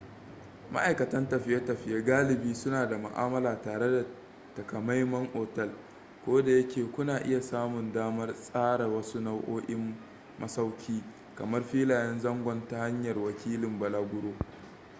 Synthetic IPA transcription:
ma̰˦ʔa˨jkɐ˨tɐ˦ntɐ˨ɸɪ˦ja˦tɐ˨ɸɪ˦ja˦ɡaː˦lɪ˨biː˦sʊ˦naː˨da˨mʊ̰˨ʔa̰ː˦mɐ˦laː˨taː˨ɽe˦da˨ | tɐ˨kɐ˨ma˦jmɐ˦ŋʔoː˨tɛ˦˨l | kʷoː˦da˨jɐ˦kʲeː˨kʷʊ˦naː˨ʔɪ̰˦ja˨saː˦mʊ˨ndaː˦mɐ˦rsʼaː˦ɽa˨wɐ˦su˦na˦wʔoː˦ʔɪ˦mː | ɐ˦sa˦wkʲʰiː˦ | kɐ˨mɐ˦rɸiː˦laː˨jɛ˦nzɐ˦ŋɡʷɔ˦nta˦ha˦ɲjɐ˨rwɐ˨kʲiː˦lɪ˨mbɐ˨laː˦ɡʷʊ˦ɽoː˦

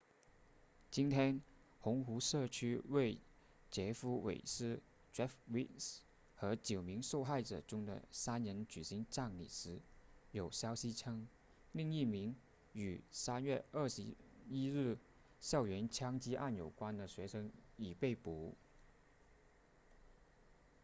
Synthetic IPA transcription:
t͡ɕi˥nt̪ʰjɛ˥n | xʊ˧˥ŋxu˧˥ʂɤ˥˧t͡ɕʰy˥we˥˩ɪ | t͡ɕjɛ˧˥fu˧˥wḛ˨˩ɪʂɻ̩˥ | ʈ͡ʂɛ˥fwi˥ns | xɤ˧˥t͡ɕjo˨˩ʊmi˧˥ŋʂo˥˧ʊxa˥˩ɪʈ͡ʂɤ̰˨˩ʈ͡ʂʊ˥ŋd̪ə̰˨sa˥nɻə˧˥nt͡ɕy˨˩ɕi˧˥ŋʈ͡ʂa˥˩ŋlḭ˨˩ʂɻ̩˧˥jo˨˩ʊɕjɑ˥ʊɕi˥ʈ͡ʂʰɤ˥ŋ | li˥˧ŋi˥˩mi˧˥ŋ | y˨˩sa˥nɥɛ˥˧ʔə˞˥˩ʂɻ̩˧˥i˥ɻɻ̩˥˩ | ɕjɑ˥˩ʊɥɛ˧˥nt͡ɕʰjɑ˥ŋt͡ɕi˥ʔa̰˥˩njo˨˩ʊkwa˥nd̪ə˨ɕɥɛ˧˥ʂɤ˥ŋi˨˩pe˥˩ɪpu˧˥

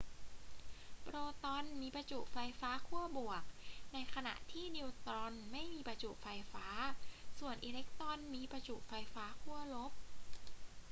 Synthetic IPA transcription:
pɾoː˧t̪ɔ˧nmiː˧pɾa˧t͡ɕu˨˩ʔfa˧jfaː˦˥kʰu˥˩əbu˨˩ək̚na˧jkʰa˧na̰˨˩ʔt̪ʰiː˥˩niː˧wt̪ɔ˧nma˥˩jmiː˧pɾa˧t͡ɕuː˨˩fa˧jfaː˦˥su˨˩ənʔiː˧le˦˥k̚t̪ɔ˧nmiː˧pɾa˧t͡ɕu˨˩ʔ̚fa˧jfaː˦˥kʰu˥˩ɐlo˦˥p̚

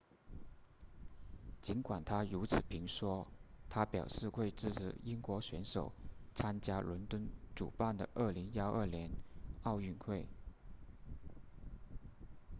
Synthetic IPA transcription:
t͡ɕi˧˥nkwa˨˩nt̪ʰa˥ɻu˧˥t͡sʰɹ̩˨˩pʰi˧˥ŋʂwɔ˥t̪ʰa˥pjɑ˨˩ʊʂɻ̩˥˧xwe˥˧ɪʈ͡ʂɻ̩˥˩ʂ̩˥˩i˥ŋkwɔ˧˥ɕɥɛ˧˥nʂo˨˩ʊt͡sʰa˥nt͡ɕja˥lwə˧˥nt̪wə˥nʈ͡ʂṵ˨˩pa˥˩nd̪ə̰˩ʔə˥˩li˧˥ŋ˥ɑ˥ʊʔə˞˥˩ljɛ˧˥nɑ˥˧ʊy˥˧nxwe˥˩ɪ

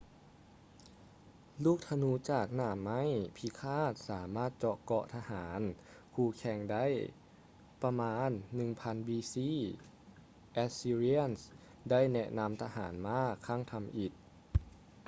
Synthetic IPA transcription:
luː˥˩k̚t̪ʰa˧nu˧˦t͡ɕaː˨˩k̚naː˧˩ma˥˨jpʰi˧˦kʰaː˥˩t̪̚saː˩˦maː˥˩t̪̚t͡ɕɔ˧ʔkɔ˧ʔt̪ʰa˧haː˩˦n | kʰuː˧˩kʰɛ˧˩ŋda˥˨j | pa˧maː˧˥nːɯ˨˩ŋpʰa˧nbiː˧siː˧˥˩ | ʔɛ˦˥siː˧ɾi˧˥ə˨ns | da˥˩jnɛ˧ʔna˧mt̪ʰa˧ɦaː˩˦nmaː˧˥˩kʰa˧˥˩ŋt̪ʰa˧mʔi˨˩t̪̚

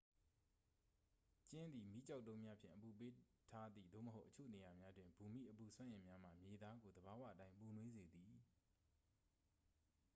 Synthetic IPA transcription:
t͡ɕɪ̃˦nd̪i˨mi˦t͡ɕa˦ʊtːõ˦ʊ̃mja˦pʰjɪ̰̃˨ʔəpu˨p̬e˦ | tʰa˦d̪ðḭ˦˨d̪o̰˦˨məɦo˦ʊʔət͡ɕʰo̰˦˨ne˨ja˨mja˦dwɪ̃˨mbu˨mḭ˦˨ʔəpu˨sʰwã˦ʔɪ̃˨mja˦m̥a̰˨mje˨d̪a˦ɡo˨d̪əba˨wä̰˦˨ʔətã˦ɪ̃mpu˨nwe˦ze˨d̪i˨

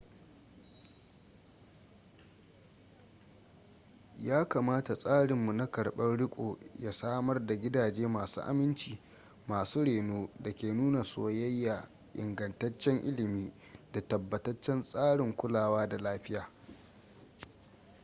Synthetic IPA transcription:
jaː˦kaː˨maː˦ta˨sʼaː˦ɽɪ˨mːu˨na˦kɐ˨ɽɓɐ˦nɽɪ˦kʷʼo̰ː˨ja˦saː˦mɐ˦rda˨ɡʲɪ˦daː˨d͡ʒeː˦maː˨sṵː˦ʔa̰˨mɪ˦nt͡ʃiː˨ | maː˨suː˦ɽeː˨noː˦da˨kʲeː˨nuː˦na˨soː˨jɐ˦jːaː˨ | ʔɪ̰˨ŋɡɐ˨ntɐ˦t͡ʃːɛ˦ŋʔɪ˦lɪ˨miː˦ | da˨tɐ˨bːɐ˨tɐ˦t͡ʃːɛ˦nsʼaː˦ɽɪ˨ŋkʷʊ˦laː˨waː˦da˨laː˦ɸɪ˦jaː˨

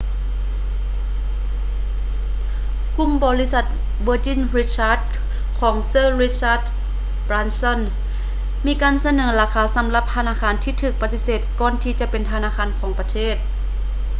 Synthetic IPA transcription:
ku˧˥˨mbɔː˧li˦˧˥sa˧˩t̪̚ | bɤː˧˦t͡ɕi˧˥˨nɾi˧˥t̪̚t͡ɕʰaː˧˥t̪̚ | kʰɔː˩˦ŋsɤː˧˥˨ɾi˦˥t͡ɕʰaː˧˥˩d̪̚ | bɾaː˧nsɔ˧˥˨n | miː˧˥kaː˧˨nsa˧nɤː˩˦laː˧kʰaː˧˦sa˩˦mla˧p̚t̪ʰa˧naː˧˥˩kʰaː˧˥nt̪ʰiː˧˩t̪ʰɯː˧˩k̚pa˧t̪i˧seː˨˩t̪̚kɔː˧nt̪ʰiː˧t͡ɕa˧˦pe˧˨nt̪ʰa˧naː˧˥˨kʰaː˧˥˨nkʰɔː˩˦ŋpa˧t̪ʰeː˥˩t̪̚

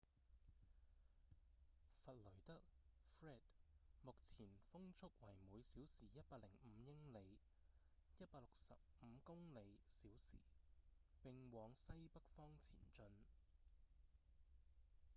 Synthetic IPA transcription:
fɐ˨t̚lɵ˨˩t̪ɐ˥k̚fɹɛː˥˩t̚mʊ˨k̚t͡sʰiː˨˩nfʊ˥ŋt͡sʰʊ˥k̚wɐ˨˩jmuː˨˧jsiː˨˥wsiː˨˩jɐ˥t̚paː˧k̚lɪ˨˩ŋm̩˨˧˦jɪ˥ŋle˨˧j | jɐ˥t̚paː˧k̚lʊ˨k̚sɐ̰˨p̚m̩˨˧kʊ˥ŋle˨˧jsiː˨˥wsḭː˨˩pɪ˨ŋwɔː˨˧ŋsɐ˥jpɐ˥k̚fɔː˥ŋt͡sʰḭː˨˩nt͡ʃɵ˧n

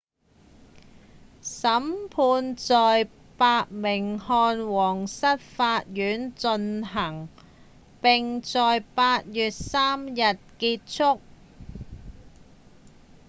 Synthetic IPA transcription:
sɐ˨˥mpʰuː˧nt͡sɔː˨j | paː˧t̚mɪ˨˩ŋhɔː˧nwɔː˨˩ŋsɐ˥t̚faː˧t̚jyː˨˥nt͡sɵ˧nɦɐ˨˩ŋ | pɪ˨ŋt͡sɔː˨jpaː˧t̚jyː˨t̚saː˥mjɐ˨t̚kiː˧t̚t͡ʃʰʊ˥k̚

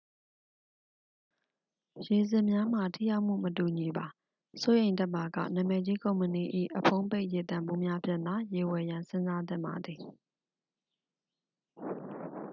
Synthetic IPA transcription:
je˨zɪ̃˨mja˦m̥a˨tʰḭ˦˨ja˦ʊʔm̥ṵ˦˨mətu˨ɲi˨ba˨ | so˦jẽ˨ɪ̃ntɛ˦ʔma˨ɡä̰˦˨nã˨mɛ˨d͡ʑi˦kõ˨ʊ̃mpəni˨ʔḭ˦˨ʔəpʰõ˦ʊ̃pe˦ɪʔje˨t̪ã˨mbu˦mja˦pʰjɪ̃˦˨nd̪a˨˦je˨wɛ˨jã˨nsɪ̃˦nza˦t̪̬ɪ̰̃˦˨mba̰˨d̪ði˨

